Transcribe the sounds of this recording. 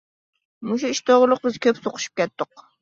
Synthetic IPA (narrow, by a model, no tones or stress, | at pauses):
mʊʃuiʃt̪ʰoʁʊlˠɨq̚bɪzkʲʰøpsoqʰʊ̥ʃy̥p̚kʲɛt̪ːɨq